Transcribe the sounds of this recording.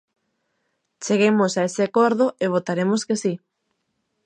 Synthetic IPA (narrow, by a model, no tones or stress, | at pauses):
t͡ʃeɣemosaeseakoɾðoʔeβ̞ot̪aɾemoskesi